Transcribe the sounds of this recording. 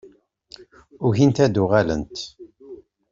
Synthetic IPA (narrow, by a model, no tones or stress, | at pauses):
ʊçint̪æd̪uʁælə̰nt̪